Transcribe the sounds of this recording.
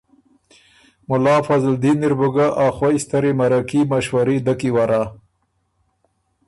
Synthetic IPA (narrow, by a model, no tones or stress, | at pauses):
mʊlɑːfazld̪inːiɾbʊɡaʔaxwajst̪aɾemaɾakimaʃwaɾid̪akiwaɾaː